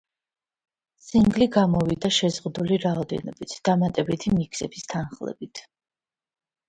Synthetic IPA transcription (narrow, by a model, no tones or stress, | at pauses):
siŋɡliɡamɔvid̪aʃɛzʁud̪uliɾaɔd̪ɛ̰nɔbit̪ʰd̪̥amat̪ʼɛbit̪ʰimikʰsɛbist̪ʰanχlˠɛ̰bit̪ʰ